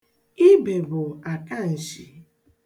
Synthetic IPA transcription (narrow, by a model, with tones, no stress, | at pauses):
i˦be˨bʊ˨a˨ka˦n̩˨ʃi˨